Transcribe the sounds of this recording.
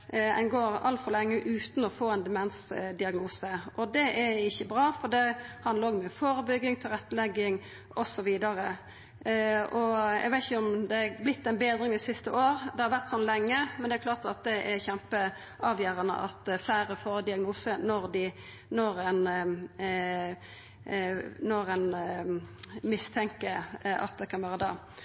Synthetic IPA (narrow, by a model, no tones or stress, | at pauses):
ɛ̰nɡoːɾɑ̰lt̪fɔɾlɛŋːəʔʉːt̪n̩ɔfoːɛnd̪ɛmɛnsd̪ɪɑɡnuːsəʔɔd̪ɛʔæɪçːəbɾɑːfɔd̪ɛhɑnd̪ɑɾɔɡmyːfoːɾəbʏɡːɪŋt̪ʰɪlʁɛt̪ːəlɛɡːɪŋ | ɔsɔʋiːd̪ɑɾə | ɔæ̰ɪɡʋæɪt̪ɪçəɔmd̪ɛæblɪt̪ːɛnbeːd̪ʁɪŋd̪ɛsɪst̪əʔoːɾd̪ɛhɑɾʋæʁt̪sɔnːlɛŋːəmɛnd̪ɛæɾkʰlɑːt̪ɑt̪̚d̪ɛʔæɾçɛmpə | ʔɑːʋjøːɾɑnə̰ʔɑ̰t̪ːflæɪɾəfoːɾd̪ɪɑɡnuːsənɔɾd̪ɪ | nɔɾæn | nɔɾæn | mɪst̪ʰɛŋkəʔɑ̰t̪̚d̪ɛkʰɑnʋæːɾəd̪ɑ̰ː